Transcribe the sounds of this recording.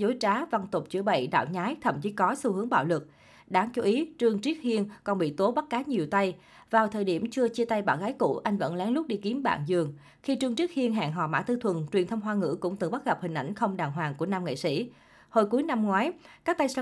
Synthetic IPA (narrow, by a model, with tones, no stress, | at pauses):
zo˨˦jt͡ɕaː˨˦va˧ŋt̪ʊ˨˩k͡p̚t͡ɕɨ̰˧˩əɓə̰˧˨jɗa̰ː˧˨wɲaː˨˦jt̪ʰə˧˩mt͡ɕi˧˦kɔ˨˦su˧hɨ˨˦əŋɓa̰ː˧˩wlɨ˨˩k̚ | ɗaː˨˦ŋt͡ɕu˧˦ʔi˨˦t͡ɕɨ˧əŋt͡ɕi˦˥ək̚hi˧ənkɔ˨˩nɓḭ˧˨t̪o˨˦ɓa˦˥t̚kaː˨˦ɲi˨˩əwt̪a˧j | vaː˨˩wt̪ʰəː˨˩jɗi˧˩əmt͡ɕɨ˧ət͡ɕi˧ət̪a˧jɓaː˧˩nɣaː˨˦jkṵ˧˩ʔa˧jŋ̟və̰˧˥nlɛ˨˦ŋlʊ˦˥k͡p̚ɗi˧əki˨˦mɓa̰ː˧˨nzɨ˨˩əŋ | xi˧t͡ɕɨ˧ŋt͡ɕi˦˥hi˧ənɦa̰ː˧˨ŋɦɔ̰˧˨˩ma̰ː˧˥t̪ɨ˧t̪ʰwə˨˩nt͡ɕwənt̪ʰə˧wŋ͡mɦwaː˧ŋɨ̰˧˥kʊ̰˧˥ŋ͡mt̪ɨ˨˩ɓa˦˥t̚ɣə˨˩p̚hï˨˩ŋ̟ʔa˧˩jŋ̟xə˧wŋ͡mɗaː˨˩ŋɦwaː˨˩ŋku˧˩ənaː˧mŋḛ˧˨sḭ˧˥ | ho˧jku˨˦jna˧mŋwaː˨˦jkaː˦˥k̚t̪a˧j